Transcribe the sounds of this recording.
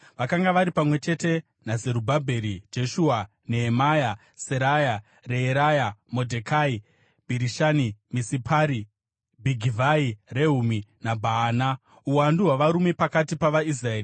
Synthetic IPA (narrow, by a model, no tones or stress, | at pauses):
ʋakaŋɡaʋaɾipamwe̞t͡ʃe̞te̞ | naze̞ɾubʱabʱe̞ɾid͡ʒe̞ʃua | neɦːmaja | seɾaja | reeɾajamo̞dʱekʰai | bʱiɾiʃanimisipʰaːɾi | bʱiɡʱivʱaireɦuminabʱaːna | uwanduɦwaʋaɾume̞pakatipaʋais̬raeːri